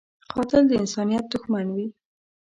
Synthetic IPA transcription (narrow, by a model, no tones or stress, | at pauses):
xɑt̪ɪld̪əɪnsɑnijat̪̚d̪ʊxmanwi